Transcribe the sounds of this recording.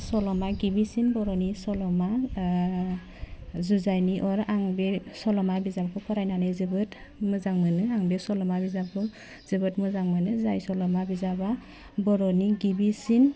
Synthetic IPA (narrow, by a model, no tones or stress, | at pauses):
sɔlɔmaɡibisinbɔɾɔnisɔlɔma | zuzajniʔɔɾaŋbesɔlɔmabizabkʰɔkʰɔɾajnanɯjzɯbɯt | mɯzaŋmɯnɯaŋbɛsɔlɔmabizabkɯ | zɯbɯtmɯzaŋmɯnɯzajsɔlɔmabizaba | bɔɾɔniɡibisin